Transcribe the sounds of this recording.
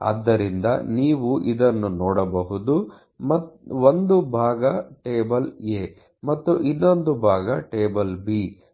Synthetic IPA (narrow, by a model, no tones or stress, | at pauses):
ɐ̰d̪ːɐɾind̪ɐ̰niːʋuʔid̪ɐnːunɔːɽɐbɐɦud̪u | mɐond̪ubʱaːɡɐʈeːbɐleː | mɐt̪ːuʔinːo̞nd̪ubʱaːɡɐʈeːbɐlbi